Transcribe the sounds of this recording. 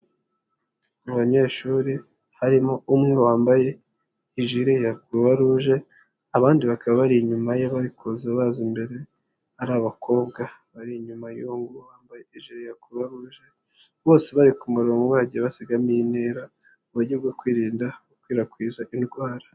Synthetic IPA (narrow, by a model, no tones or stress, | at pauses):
muβaɲe̞ʃuːɾi | haɾimo̞umŋewaːmbaje̞ | iʒiɾejakuβaɾuʒe̞ | aβaːndiβakaβaβaɾiɲumajeβaɾikʰozaβazimbe̞ɾe̞ | aɾaβakʰo̞ːβɡaβaɾiɲumajoŋɡuwaːmbaje̞iʒiɾejakuuβaɾuʒe̞ | βo̞ːse̞βaɾikumuɾo̞ːŋɡowaɟiβasiɡamineɾa | uβuɟuβɡokwiːɾiːndaukwiːɾakwiːzaʔinɡwaːɾḁ